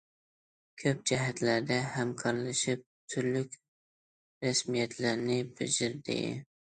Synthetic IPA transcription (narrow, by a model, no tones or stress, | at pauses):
kʲʰøp̚d͡ʒɛɦæt̪læɾd̪ɛhæmkʰɑɾlˠɨʃɪp̚t̪ʰyɾlykʲ | ɾæsmijɛt̪ʰlæɾnɪbɪd͡ʒɪɾd̪ɪ̰